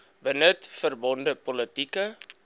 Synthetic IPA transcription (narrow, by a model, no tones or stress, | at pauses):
bənətfərbɔndəpɔlətikə